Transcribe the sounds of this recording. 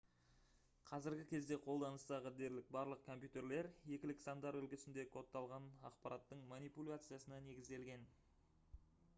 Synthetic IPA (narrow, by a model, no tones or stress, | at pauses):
qʰɑzɪɾɡʲɪkʲʰe̞zd̪e̞qʰo̞lˠd̪ɑnəst̪ɑʁəd̪e̞ɾlɪk̚bɑɾlˠəq̚kʰo̞mpʲjut̪e̞ɾle̞ɾje̞kʲɪlɪksand̪ɑɾʏlkʲɪsɪnd̪e̞kʰo̞t̪ːɑlˠʁɑnɑ̰qpɑɾʔɑt̪ːəɴmanijpulʲat̪sɨjasənɑne̞ɡʲɪzd̪e̞lɡʲe̞n